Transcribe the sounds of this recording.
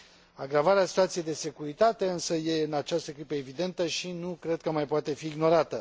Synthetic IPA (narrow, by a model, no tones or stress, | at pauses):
aɡɾavaɾeasit̪uat̪sije̞jd̪e̞se̞kuɾit̪at̪e̞ɨnsəje̞ɨnat͡ʃast̪əkɾipəe̞vid̪e̞nt̪əʃinukɾe̞d̪̥̚kəmajpoat̪e̞fiːɡno̞ɾat̪ə